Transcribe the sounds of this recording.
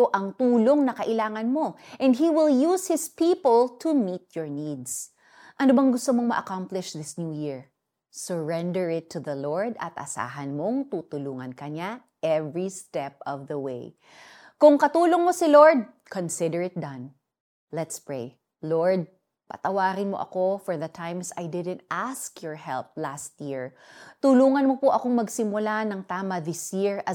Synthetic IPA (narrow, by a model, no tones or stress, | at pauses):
oʔɐŋt̪uːloŋnɐkɐʔɪlaːŋɐnmo̞ʔɛ̃nd̪̚ɦiwɪljushɪspiːpəlt̪ʰumit̪̚jɔɹnid̪s | ʔɐnobɐŋɡʊst̪omoŋmɐʔɐkamplɪʃðɪsnjuːjɪɹ | səɹɛ̃nd̪ɛɹɪt̪ʰːʊðɐloɹd̪ɐ̰t̪̚ʔɐ̰sa̰ːɦɐnmoŋt̪uːt̪ʊluːŋɐnkɐɲa | ʔɛvɹist̪ɛp̚ɔvðɐwḛj | kʊŋkɐt̪uːloŋmosɪloɹd̪̚kõnsɪd̪ɛɹɪt̪̚d̪ɐ̃n | lɛt̪spɹej | loɹd̪̚ | pɐ̰t̪ɐwaːɾɪnmo̰ʔɐ̰kofɔɹðɐt̪ʰãjmsajd̪ɪd̪ɛ̃nt̪̚ʔaskjɔɹhɛ̰lp̚last̪̚jɪɹ | t̪ʊluːŋɐnmopoʔɐkoŋmɐɡsɪmʊlanɐŋt̪aːmɐðɪsjiɹɐ